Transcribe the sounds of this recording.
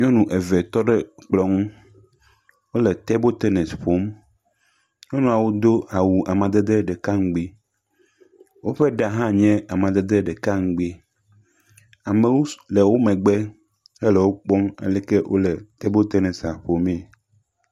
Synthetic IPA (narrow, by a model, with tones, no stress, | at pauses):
ɲɔ̃˦nũ˨ʔɛ˨vɛ˨t̪ɔ˦ɖɛ˦k͡plɔ˨ŋũ˦ | wo˦lɛ˨t̪ɛ˦bo˦t̪ɛ˦nɛ˨sɸo˦m | ɲɔ̃˦nũ˨a˨wo˦d̪o˦a˨wu˨ʔa˨mã˨d̪ɛ˦d̪e˦ɖɛ˨ka˦ŋ̩˦ɡ͡bi˦ | wo˦ɸɛ˦ɖa˨ɦã˦ɲɛ̃˦a˨mã˨d̪ɛ˦d̪ɛ˦ɖɛ˨ka˦ŋ̩˦ɡ͡be˦ | a˨me˨wo˦lɛ˨wo˦mɛ̃˨ɡ͡bɛ˦ | ɛ˦lɛ˨wo˦k͡pɔ˦mɛ̰˦lɛ˦kɛ˦wʔo̰˦lɛ˨t̪ɛ˦bo˦t̪e˦nɛ˨sa˨ɸo˨me˨